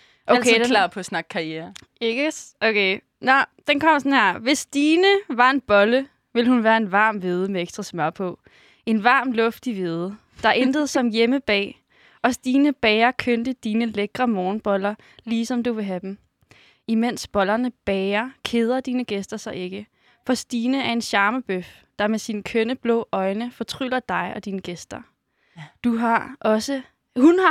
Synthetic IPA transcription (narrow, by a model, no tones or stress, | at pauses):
ʔolkʰeɑpʰɒsnɑ̈ɡ̥ʰɑ̈ieːɐ | eɡ̥okʰe | nɒd̥enkʰɒ̽m̰ɐsɒnhæɐ̰ʋe̝sd̥iːnəʋɑ̈e̝nb̥ɒ̽lə | ʋe̝lhunʋæːɐe̝nʋɑ̰̈ːmʋe̝ð̞ˠəmeeɡ̥sd̥ʁɑ̈smɶɐ̰pʰɔ̽ | e̝nʋɑ̰̈ːmlɔ̽fd̥iʋe̝ð̞ˠə | d̥ɑ̈ʔend̥əð̞̩ˠsɒ̽mjeməb̥ɛ̰ː | ɒ̽sd̥iːnəb̥ɛːɐkʰønd̥əd̥iːnəleɡ̥ʁɐmɒːnb̥ɒ̽lɐ | liːsɒ̽md̥uʋe̝ɦæd̥em | imen̰sb̥ɒ̽lɐnəb̥ɛːɐkʰe̝ð̞ˠɐd̥iːnəɡ̥esd̥ɐsɑ̈ɪʔe̝ɡ̥ə | fɒ̽sd̥iːnəæɐe̝nɕɑ̈ːməb̥øf | d̥ɑ̈mesinəkʰønəb̥lɔːʔɒ̽ɪnəfɒ̽t͡sʰʁylɐd̥ɑ̈ɪɒ̽d̥iːnəɡ̥esd̥ɐ | d̥uɦɑ̈ʔɒ̽sə | hunh